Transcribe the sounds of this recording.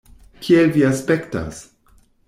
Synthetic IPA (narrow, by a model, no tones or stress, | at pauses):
kʰielviaspekta̰s